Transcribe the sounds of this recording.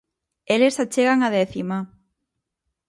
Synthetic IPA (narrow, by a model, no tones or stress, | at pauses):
elesat͡ʃeɣaŋaðɛθima